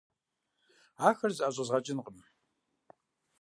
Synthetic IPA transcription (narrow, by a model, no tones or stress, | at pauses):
aːxɐrzʔaːʑʷʼɐzʁɐt͡ʃʼɪnqʼəm